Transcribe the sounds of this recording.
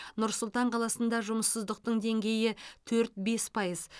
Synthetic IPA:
nʊɾsʊlˠt̪ɑɴqʰɑlˠɑsənd̪ɑʒʊməsːəzd̪əq̚t̪əɴd̪e̞ŋɡʲe̞jɪt̪ʰɵɾt̪̚be̞spʰɑjəz

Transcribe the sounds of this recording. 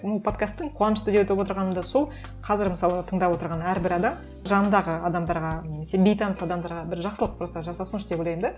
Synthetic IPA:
mulˠpʰo̞t̪kast̪ːɪŋqʰuɑnəʃt̪ʏd̪et̪epwo̞t̪əɾʁɑnəmd̪ɑso̞lˠ | qʰɑzɪɾməsɑlˠət̪ʰəɴd̪ɑpwot̪əɾʁɑnæɾbɪɾɑd̪ɑm | ʒɑnənd̪ɑʁəɑd̪ɑmd̪ɑɾʁɑne̞me̞se̞bʲe̞jt̪ʰɑnəsɑd̪ɑmd̪ɑɾʁɑbɪɾʒɑqsəlˠəq̚bɾost̪ɑʒɑsɑsənəʃd̪epojlʲˠɑjɪmd̪e

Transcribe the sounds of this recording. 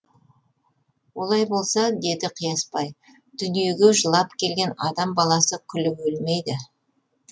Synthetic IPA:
wo̞lˠɑjbo̞lˠsɑd̪e̞d̪ɪqʰijɑspɑj | d̪̥ʏnije̞ɡʲe̞ʒəlˠɑpkʲʰe̞lɡʲe̞nɑd̪ɑmbɑlˠɑsəkʲʰʏlɪbɵlmejd̪ɪ

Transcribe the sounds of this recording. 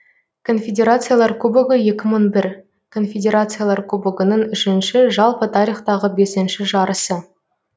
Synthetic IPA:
kʰo̞nfʲedʲe̞ɾat̪sɨjalˠɑɾkʰubɪɡəje̞kʲɪməɴbɪɾ | kʰo̞nfʲedʲe̞ɾat̪sɨjalˠɑɾkʰubɪɡənəɴʏʃɪnʃɪʒɑlˠpət̪ʰɑɾijχt̪ɑʁəbe̞sɪnʃɪʒɑɾəsə

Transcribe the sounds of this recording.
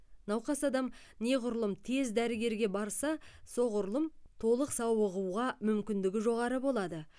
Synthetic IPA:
nɑwqɑsɑd̪ɑm | ne̞ʁʊɾlˠəmt̪ʰe̞zd̪æɾɪɡʲe̞ɾɡʲe̞bɑɾsɑso̞ʁʊɾlˠəmt̪ʰo̞lˠəqsɑwəʁuʁɑmʏmkʲɪnd̪ɪɡʲɪʒo̞ʁɑɾəbo̞lˠɑd̪ə

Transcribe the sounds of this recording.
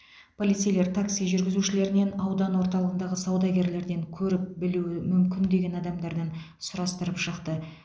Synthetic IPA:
pʰo̞lʲˠit̪sijle̞ɾt̪ʰaksijʒʏɾɡʲɪzuʃɪle̞ɾɪne̞nɑwd̪ɑnwo̞ɾt̪ɑlˠəʁənd̪ɑʁəsɑwd̪ɑɡʲe̞ɾle̞ɾd̪e̞ŋkʲʰɵɾɪp̚bɪluɪmʏmkʲɪnd̪e̞ɡʲe̞nɑd̪ɑmd̪ɑɾd̪ɑn | sʊɾɑst̪əɾəpʃəqt̪ə

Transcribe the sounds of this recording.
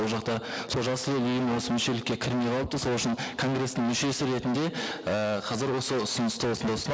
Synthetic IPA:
olˠʒɑqt̪ɑsʰo̞lˠʒɑsəəʏjɪmwo̞səmʏʃe̞lɪkʲːe̞kʲʰɪɾmejqʰɑlˠəp̚t̪əso̞lˠʏʃɪnkʰo̞ŋɡre̞st̪ɪŋmʏʃe̞sɪɾe̞t̪ɪnd̪e̞əqʰɑzɪɾwo̞səʊsʊnəst̪əwosənd̪ɑʊsn

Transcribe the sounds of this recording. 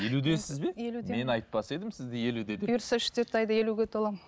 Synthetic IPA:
je̞lud̪e̞sɪzbe̞jelumeme̞nɑjt̪̚pɑse̞d̪ɪmsɪzd̪ɪje̞lud̪e̞d̪juɾsəʏʃt̪et̪ɑjd̪əje̞luɡʲet̪ʰolˠɑm

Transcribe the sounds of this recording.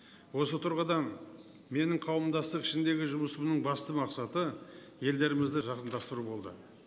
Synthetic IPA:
wo̞sət̪ʰʊɾʁɑd̪ɑn | me̞nɪɴqʰɑwəmd̪ɑst̪əqɪ̥ʃɪnd̪e̞ɡʲɪʒʊməsəmnəɴbɑst̪əmɑqsɑt̪ə | je̞ld̪e̞ɾɪmɪzd̪ɪʒɑqənd̪ɑst̪əɾubo̞lˠd̪ə̰

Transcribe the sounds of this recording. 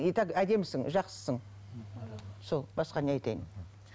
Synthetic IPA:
it̪ɑkæd̪e̞mɪsɪŋʒɑqsə̥səɴ | solˠbɑsqɑneɑjt̪ɑjɪ̰n

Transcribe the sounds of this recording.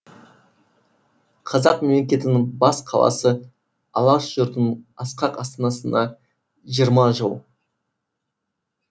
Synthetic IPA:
qʰɑzɑqmemle̞kʲe̞t̪ɪnɪŋbɑsqʰɑlˠɑ̰sə | ɑlˠɑʃʒʊɾt̪ənɑsqɑqɑst̪ənɑsənd̪ɑ | ʒijəɾmɑʒəlˠ

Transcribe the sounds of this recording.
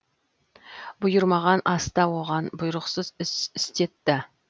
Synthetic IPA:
bʊjʊɾmɑʁɑnʔɑst̪ɑwo̞ʁɑnbʊjɾəqsəzɪsɪst̪e̞t̪ːɪ

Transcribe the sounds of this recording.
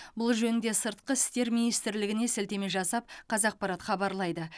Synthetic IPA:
bʊlˠʒɵnɪnd̪e̞səɾt̪qəɪst̪e̞ɾminijst̪ɪɾlɪɡʲɪne̞sɪlt̪e̞meʒɑsɑp̚qʰɑzɑq̚pɑɾɑt̪χɑbɑɾlˠɑjd̪ə

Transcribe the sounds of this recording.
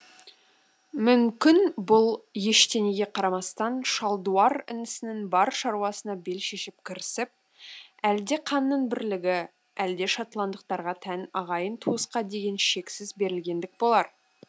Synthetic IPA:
mʏmkʲɪnbʊlˠje̞ʃt̪e̞neɡʲe̞qʰɑɾɑmɑst̪ɑnʃɑlˠd̪uɑɾɪ̰nɪsɪnɪŋbɑɾʃɑɾwɑsənɑbe̞lʃe̞ʃɪp̚kʲʰɪɾɪsɪp̚ | æld̪e̞qʰɑnːəɴbɪɾlɪɡʲɪ | æld̪e̞ʃɑt̪lˠɑnd̪əq̚t̪ɑɾʁɑt̪ʰænɑʁɑjənt̪ʰuəsqɑd̪e̞ɡʲe̞nʃe̞ksɪzbe̞ɾɪlɡʲe̞nd̪ɪk̚bo̞lˠɑɾ

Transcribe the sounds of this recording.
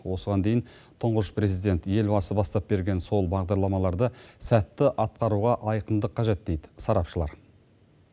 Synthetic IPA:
wo̞səʁɑnd̪e̞jɪn | t̪ʰʊɴʁəʃpre̞zijd̪e̞nt̪je̞lbɑsəbɑst̪ɑp̚be̞ɾɡʲe̞nso̞lˠbɑʁd̪ɑɾlˠɑmɑlˠɑɾd̪əsæt̪ːɪʔɑt̪̚qɑɾuʁɑʔɑjqənd̪əqʰːɑʒe̞t̪̚d̪e̞jd̪ɪ̥sɑɾɑpʃəlˠɑ̰ɾ

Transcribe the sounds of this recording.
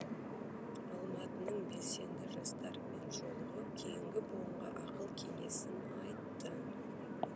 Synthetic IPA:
ɑlˠmɑt̪ənəɴbe̞se̞nd̪ɪʒɑst̪ɑɾme̞nʒo̞lˠəʁəkʲʰe̞jɪŋɡʲɪboəɴʁɑ̰ʔɑqəlˠkʲʰe̞me̞̰sɪn | ɑjt̪ːə

